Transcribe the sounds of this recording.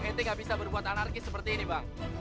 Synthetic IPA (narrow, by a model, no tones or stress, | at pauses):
ɛnt̪eŋɡabisabərbuat̪anarkɪssəpərt̪iːnibaŋ